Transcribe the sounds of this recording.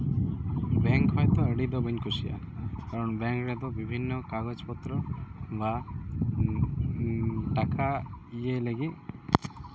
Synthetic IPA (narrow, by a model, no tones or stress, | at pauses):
bɛŋkɦɔjt̪ɔəɽid̪ɔbəɲkusia̰ | kaɾɔnbɛŋkɾed̪ɔbibʱinːɔkaɡɔt͡ʃpɔt̪ɾɔba | ʈakaijeləɡi